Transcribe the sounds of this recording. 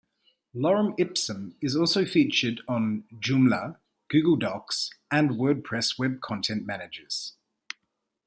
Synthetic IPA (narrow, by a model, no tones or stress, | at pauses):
lɒɹə̃mɪpsə̃mɪzɔˑlˠsəʊfiˑt͡ʃədn̩d͡ʒʉmlə | ɡ̥ʉːɡəlˠdɒksə̃nwɜːd̚pʰɹ̥ɛswɛb̚kʰɒ̃ntʰɛ̃nʔmænɪd͡ʒəz̥